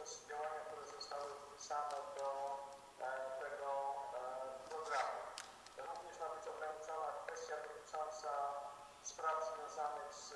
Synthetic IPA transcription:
ɔsupʲɔvaɲak̚t̪uɾɛzɔst̪awd̪pʲisanɛd̪ɔ | t̪ɛɡɔ | pɾɔɡɾamu | t̪ɛmɔviɲɛʂmabət͡ɕɔɡɾaɲit̪sawakfɛst̪jad̪ɔt̪ɘt͡ʂɔnt̪sa | spɾavzvʲjɔ̃w̃zanəxs

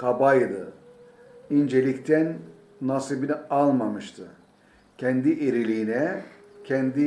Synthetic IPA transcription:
kʰabajd̪ɯ̰ | ind͡ʒelʲict̪ʰænː | asibinialˠmamɯʃt̪ʰɯ | cʰɛnd̪iʔeɾilʲiinɛ | cʰɛnd̪i

